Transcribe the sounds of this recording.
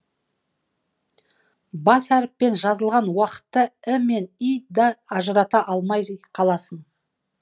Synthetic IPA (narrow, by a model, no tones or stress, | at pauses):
bɑsæɾɪpːe̞nʒɑzəlˠʁɑnwɑqə̥t̪ːəɪme̞nijd̪ɑɑʒəɾɑt̪ɑʔɑlˠmɑjqʰɑlˠɑsəɴ